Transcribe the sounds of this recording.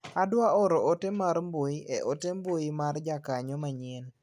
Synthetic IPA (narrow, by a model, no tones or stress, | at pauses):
adwaɔɾɔʔotemaɾmboiʔeʔotembojimard͡ʒakaɲɔmaɲɛn